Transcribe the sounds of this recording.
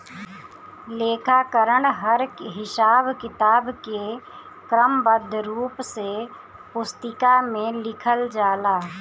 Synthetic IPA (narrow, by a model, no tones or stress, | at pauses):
leːkʰakəɾəɳɦəɾɦɪsaːbkɪt̪aːbke | kɾəmbəd̪ʱːɾuːpse | pʊst̪ɪkamẽlɪkʰəld͡ʒaːlaː